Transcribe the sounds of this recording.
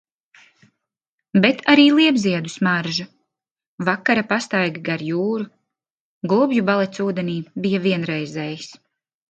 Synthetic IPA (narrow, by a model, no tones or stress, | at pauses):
bet̪ʰaɾiːlˠiɛbziɛd̪usmaɾʒu | vakːaɾapast̪ajɡɡaɾjuːɾu | ɡlˠubjubalˠɛt̪suːd̪ɛniːbijaviɛnɾɛjzɛjis